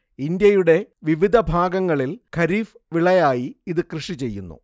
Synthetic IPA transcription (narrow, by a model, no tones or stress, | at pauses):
ind̪jɐjuɽe̞ʋiʋid̪ʱɐbʱaːɡɐŋːɐɭilkʰɐɾiːf | ʋiɭɐjaːjiːðɨkrɨʂit͡ɕe̞jːṵnːṵ